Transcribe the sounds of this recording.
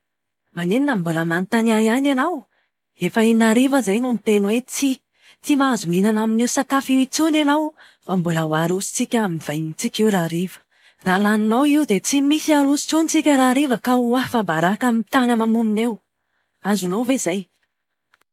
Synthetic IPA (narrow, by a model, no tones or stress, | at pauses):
maneninambuləmant̪aniajiananaw | efəinaɾivəzajnomit̪enwet͡si | t͡simazuminanaminewsat̪afiit͡sunanaw | fambulawaɾusi̥t͡sikʲaminv̥ajɲit͡sikʲiwɾaɾivə̥ | raːlaninawiwd̪et͡simisiaɾusi̥t͡sunit͡sikʲəɾaɾivəkauafabaɾakamit̪anəmamuminew | azunowvezaj